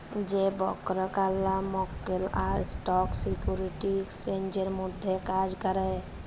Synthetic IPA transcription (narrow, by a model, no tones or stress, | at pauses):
d͡ʒebɔkɾəkalːamokːelaɾsʈɔksikjuɾiʈiksend͡ʒəɾmud̪ʱːjekad͡ʒkəɾɛ